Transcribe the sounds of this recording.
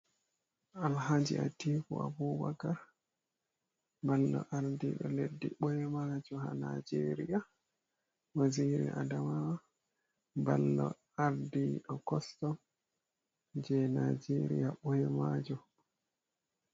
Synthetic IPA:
ʔalhad͡ʒḭatikṵabuːbakaɾ | balːɔ̰ʔaɾdiɗɔledːiɓɔjɛmad͡ʒɔha̰nad͡ʒeɾija | maziɾḭʔadamawa | balːɔ | aɾdiɗɔkɔstɔm | d͡ʒɛnad͡ʒeɾḭjaɓɔjɛmad͡ʒɔ

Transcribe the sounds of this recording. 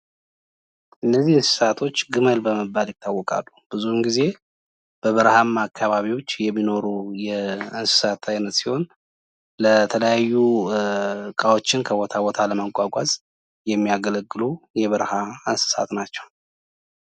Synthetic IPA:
ʔɨnːəzːihɨnsɨ̥sat̪ʰo̞t͡ʃːɡɨməlbəməbːaljɪt̪ʰːawːɔkʼa̰lːub̥ɨzuhmɡize̞ | b̥əβəɾhamːaːkʰːaβaβiwo̞t͡ʃːjɛmːino̞ɾujɛɨnsɨ̥sat̪ʰajnət̪siho̞n | lət̪ʰələjajːu | kʼawo̞t͡ʃːɪnkʰəβo̞t̪ʰabo̞t̪ʰaləməɡʷaɡʷazʼ | jɛmːijaɡələɡːɨlujɛβəɾhaɨnsɨ̥sa̰t̪nat͡ʃːɛ̥w

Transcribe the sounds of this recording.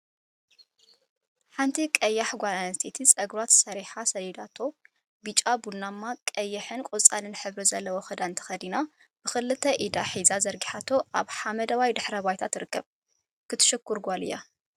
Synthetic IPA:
ħant̪ʰikʼɐjːaħɡʷalanɐst̪ʰet̪ʰisʼɐɡɾwat̪sɐɾiħasɐlid̪at̪ʰo̞ | bɨt͡ʃʼabulnamːakʼɐjːɐħɨnkʼot͡sʼanɨnħɨβɾizɐlːɐwoxɨd̪aɨnt̪ʰɐ̥xɐd̪ina | b̥ɨxɨlɨt̪ʰɐʔid̪aħizazɐɾɡiħat̪ʰo̞ʔaβħamɐd̪ɐwajd̪ɨħɾɐβajt̪ʰat̪ːɨɾɨkːɐβ | kɨt̪ʰɨ̥ʃɨkːʊɾɡʷalɨ̰jːa̰

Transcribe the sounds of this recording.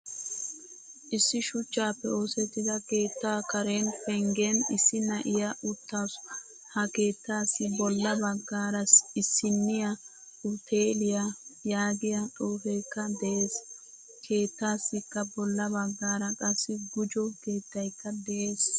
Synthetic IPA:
ʔɪsːɪʃʊt͡ʃːaːpːɛo̞ːsɛt̪ːɪd̪ɐke̞ːt̪ːaːkɐɾeːnfɛŋɡenɪsːɪnɐʔɪjɐʔʊt̪ːaːs | hɐke̞ːt̪ːaːsːɪbɔlːɐbɐɡːaːɾɐsɪsːɪnːɪjɐ | ʊt̪ʰeːlɪjajaːɡɪjɐt̪ʼoːfɛjkːɐd̪ɛʔeːs | kʰe̞ːt̪ːaːsːɪkːɐbɔlːɐbɐɡːaːɾɐkʼɐsːɪɡʊd͡ʒɔke̞ːt̪ːɐjkːɐd̪ɛʔe̞ːs

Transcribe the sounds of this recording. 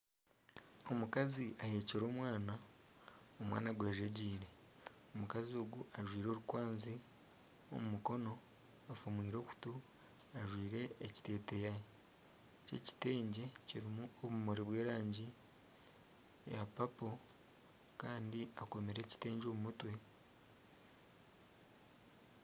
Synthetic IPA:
o̞mukaziʔahe̞ːceɾo̞ːmwaːna | omwa̰ːnaɡwaːʒeɟiːɾeomukazio̞ːɡuʔaʒwiːɾo̞ːɾukwaːnzi | o̰mumuko̞no̞ | afumwiːɾo̞ːku̥tu | aʒwiːɾe̞ːci̥te̞ːte̞jaje | cḛci̥te̞ːɲɟe̞ciɾimuoβumoɾiβwe̞ːɾaːɲɟi | japapo̞ | kaːndiako̞meɾe̞ci̥te̞ːɲɟomumutwe̞

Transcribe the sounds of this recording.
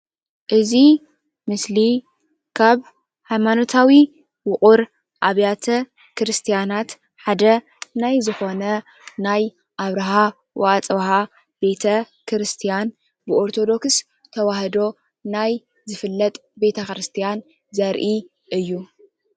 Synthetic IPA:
ʔɨzi | mɨsli | kʰaβ | hajmanot̪ʰawi | wʊχʼuɾ | ʔaβjat̪ʰɐ | kɨɾɨst̪ʰijanat̪ | ħad̪ɐ | najzɨxo̞nɐ | naj | ʔaβɾɐɦa | wa̰ʔat͡sʼβɦa | be̞t̪ʰɐ | kɨɾɨst̪ʰijan | bɨʔoɾt̪ʰo̞d̪o̞ks | t̪ʰɐwahd̪o̞ | naj | zɨfɨlːɐt̪ʼbe̞t̪ʰɐkɨɾɨst̪ʰijan | zɐɾʔi | ʔɨjːu

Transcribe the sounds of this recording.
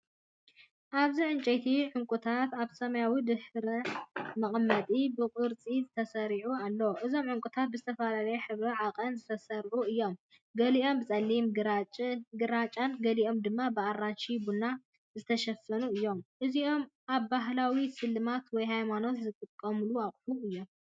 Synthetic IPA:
ʔaβziʕɨnt͡ʃʼet̪ʰiʕʊŋkʼut̪ʰat̪aβsɐmɐjawid̪ɨħɾɐmɐχʼmːɐt̪ʼibɨkʼɨɾt͡sʼizɨt̪ʰɐsɐɾiʕualːɐwʔɨzo̞mʕʊŋkʼut̪ʰat̪̚bɨzɨt̪ʰɐfalalɐjɛħɨβɾɐʕaqʼɐnzɨt̪ʰɐsɐɾʕuɨjːo̞m | ɡɐliʔo̞mbɨt͡sʼɐlːimɡ | ɡɨɾat͡ʃʼanɡɐliʔo̞md̪ɨmːabɨarːanʃibuna | zɨt̪ʰɐʃɐfːɐnuɨjːo̞mʔɨziʔo̞mʔaβbaɦlawisɨlːɨmat̪wɔjɦajmano̞t̪zɨk̪ʼɨkʼːɐmɨluaχʼħuɨjːo̞m

